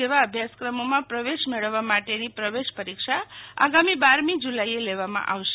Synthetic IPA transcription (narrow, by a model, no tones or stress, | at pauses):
eʋaəbʱjaskɾəmomãpɾəʋeʃmeɭəʋːamaʈenipɾəʋeʃpəɾikʃʰaa̰ɡamibaɾmĩd͡ʒulaieleʋamã̰ʔa̰wʃ